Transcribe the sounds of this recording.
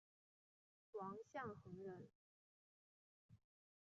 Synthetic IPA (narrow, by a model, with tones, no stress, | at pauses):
wɑ˧˥ŋɕjɑ˥˩ŋxɤ˧˥ŋɻə˧˥n